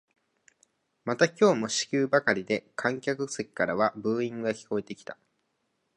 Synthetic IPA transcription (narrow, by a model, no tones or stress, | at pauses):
mat̪akʲo̞ːmo̞ɕi̥kʲɨːbakaɾʲid̪e̞kʰãŋkʲakɯ̟sekʲi̥kaɾaβabɯ̟ːĩŋɡɡakʲi̥ko̞e̞t̪e̞kʲi̥t̪a